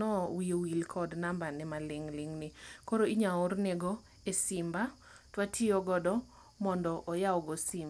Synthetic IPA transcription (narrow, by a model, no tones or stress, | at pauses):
ɔwiowilkʰɔdnambanɛmalɪŋlɪŋnɪkoɾoiɲaʊɾneɡɔ | esɪmba | twatʰioɡɔdɔ | mɔndɔʔɔjaɔɡɔsim